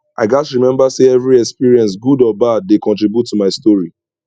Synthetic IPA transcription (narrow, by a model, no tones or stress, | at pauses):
aɪd͡ʒasɹimɛ̃mbaseɛvɹiɛkspiɹiɛ̃ns̬ɡudɔbad̚ːekɔ̃ntɹibjutʰːumaɪstɔɹi